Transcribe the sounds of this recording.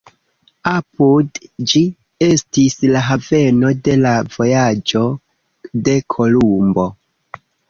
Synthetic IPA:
apudd͡ʒi | e̞stislaɦave̞no̞de̞lavo̞jad͡ʒo̞ | de̞kʰo̞lumbo̞

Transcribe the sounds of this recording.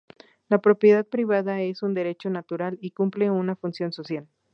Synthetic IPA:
lapɾo̞pjeðað̚pɾiβaðae̞sund̪e̞ɾe̞t͡ʃo̞nat̪uɾalikumple̞unafunsjo̞nso̞sjal

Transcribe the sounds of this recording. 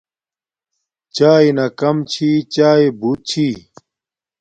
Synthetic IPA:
t͡ɕaːinɐkɐmt͡ɕʰiːt͡ɕaːibut̪̚t͡ɕʰi

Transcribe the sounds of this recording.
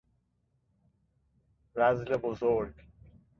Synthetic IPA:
ɾazlebozoɾɡ

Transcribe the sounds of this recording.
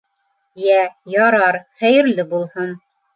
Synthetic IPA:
jæjɑɾɑɾχæjɘ̆ɾlɘbulˠhɤn

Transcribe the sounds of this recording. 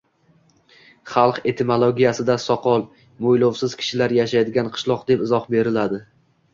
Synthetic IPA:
χɑlˠqe̞t̪ʰɪmolˠoɡʲijasɪd̪asɒqʰɒlˠ | mojlowsɪz̥kʲʰɪ̥ʃɪlaɾjaʃajd̪ɪɡʲanqʰɨ̥ʃlˠɒqd̪e̞pɪzɒχbe̞ɾɪlad̪ɪ

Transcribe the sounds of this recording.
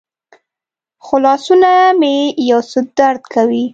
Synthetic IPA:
xʊlɑsunamejawsəd̪aɾd̪kʰawi

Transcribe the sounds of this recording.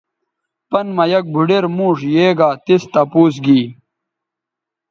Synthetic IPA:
pɐnmɐjɐk̚bʱuɖeɾmũːʂjeːɡaːt̪ist̪ɐpuːs̬ɡiː

